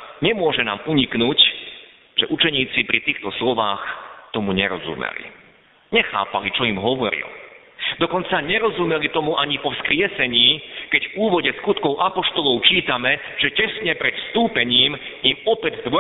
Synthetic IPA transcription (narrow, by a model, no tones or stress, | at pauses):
ɲɛmʊɔʒɛna̰ːmuɲiknuːc | ʒ̥ɛʔut͡ʃɛɲiːt͡sipɾit̪iːxt̪ɔslɔʋaːxt̪ɔmuɲɛɾɔ̰zṵmɛ̰lḭ | ɲɛxa̰ːpalit͡ʃɔimɦɔʋɔɾḭl | d̪ɔkɔnt͡saɲɛɾɔzumɛlit̪ɔmuʔaɲipɔfskɾɪɛsɛɲiːkɛɟvuːʋɔɟɛskut̪kɔʊʔapɔʃt̪ɔlɔʊt͡ʃiːt̪amɛʒ̥ɛcɛsɲɛpɾɛt̪fst̪uːpɛɲiːmimɔpɛɟzd̪ʋɔ